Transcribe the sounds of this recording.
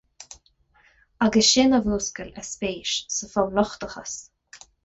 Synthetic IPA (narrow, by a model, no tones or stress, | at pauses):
aɡəsʃɪːnavuːskəlɛspeːʃsəfɔwlɔxt̪əxə̰s